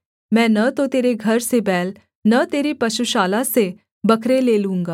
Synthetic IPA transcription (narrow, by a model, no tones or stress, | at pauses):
mɛ̃ːnɐt̪ot̪eːɾeɡʱɐɾsebɛːl | nɐt̪eːɾipɐʃuʃaːlase | bɐkʰɾeleːlũːŋɡaː